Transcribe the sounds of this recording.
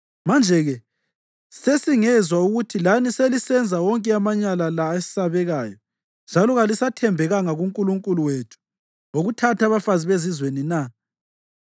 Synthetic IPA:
mand͡ʒʱɛɣɛ | sesiŋɛzwauɣutʰilaniselisɛnd͡zʱawɔŋkʼɛamaɲalalaesi̥saβɛɣaːjɔ | nd͡ʒʱalɔɣalisatʰɛmbʱɛɣaŋaɣuŋkʼuluŋkʼuluwetʰu̥ | ŋoɣutʰatʰaβafaziβezizwenina

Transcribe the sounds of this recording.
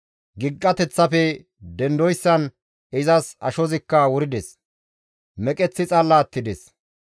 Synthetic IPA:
ɡɪɡːɐt̪ɛt͡sːɐfɛ | d̪ɛnd̪ɔjsːɐn | ɪzɐsɐ̰ʃɔzɪkːɐwʊɾɪd̪ɛs | mɛkʼɛt͡sːɪt͡sʼɐlːaːt̪ːɪd̪ɛs

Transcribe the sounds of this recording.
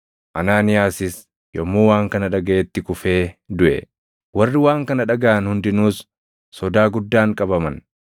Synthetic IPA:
ʔɐnaːnɪjaːsɪs | jɔmːoːwaːŋkɐnɐᶑɐɡɐʔeːt̪ːɪkʊfe̞ːd̪ʊʔɛ̰ | wɐrːɪwaːŋkɐnɐᶑɐɡɐʔɐnhʊnd̪ɪnuːsː | ɔd̪aːɡʊd̪ːaːŋkʼɐbɐmɐn

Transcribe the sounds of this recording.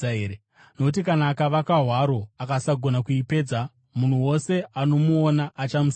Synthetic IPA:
eɾe | nokutikanaːkaʋakaɦwaɾo̞akasaɡʱo̞nakuipe̞ːd͡za | mun̤uwo̞se̞ano̞muonaʔːt͡ʃamus

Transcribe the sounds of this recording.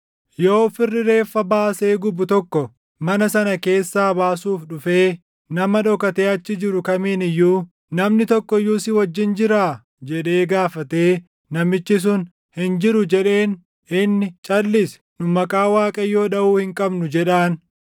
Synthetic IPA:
jo̞ːfɪrːɪɾe̞ːfːɐbaːse̞ːɡʊbʊt̪ɔkːɔ | mɐnɐsɐnɐke̞ːsːaːbaːsuːfɗʊfe̞ː | nɐmɐᶑɔkɐt̪e̞ːɐt͡ʃːɪd͡ʒɪɾʊkɐmiːnɪjːuː | nɐmnɪt̪ɔkːɔjːuːsɪwɐd͡ʒːɪnd͡ʒɪɾaː | d͡ʒɛᶑe̞ːɡaːfɐt̪e̞ː | nɐmɪt͡ʃːɪs̬ʊn | hɪnd͡ʒɪɾʊd͡ʒɛᶑe̞ːn | ɪnːɪt͡ʃʼɐlːɪs | nʊmɐkʼaːwaːkʼɐjːo̞ːɗɐʔuːhɪŋkʼɐbnʊd͡ʒɛᶑaːn

